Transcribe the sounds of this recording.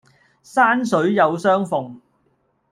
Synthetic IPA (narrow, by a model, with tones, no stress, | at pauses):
saː˥ns̬ɵ˨˥ɥjɐ˨˧wsœː˥ŋfʊ˨˩ŋ